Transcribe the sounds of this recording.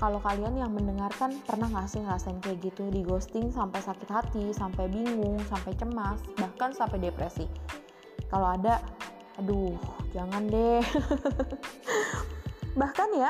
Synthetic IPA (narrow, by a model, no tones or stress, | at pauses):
kalokalianjaŋməndəŋarkanpərnahŋasʊŋrasaɪnkuaɡit̪udiɡost̪ɪŋsampajsakɪt̪hat̪isampajbiŋʊŋsampajt͡ʃəmasbahkansampajdepɾesi | kaloadaʔ | dʊhd͡ʒaŋandɛ | bahkanja